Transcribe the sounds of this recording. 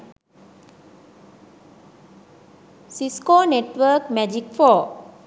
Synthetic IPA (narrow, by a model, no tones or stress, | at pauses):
siskonɛtwəkmɛd͡ʒik̚fɔ